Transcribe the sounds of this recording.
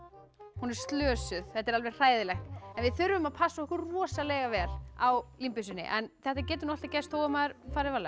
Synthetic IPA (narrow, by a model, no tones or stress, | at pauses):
hunɛɾ̥st̪lœːsʏθθɛt̪ɛɾalvɛjɾ̥r̥aːjðɪlɛxk̪ɛnvɪðθʏɾvʏmaðpʰasːaɔhkʏɾrɔːsalɛɣavɛːlawlimpʏsʏnːɪ̰ʔɛ̰nθɛht̪acɛːt̪ʏnɔhlt̪acɛst̪hoːwɣamaðʏɾ̥faːɾɪvalɛ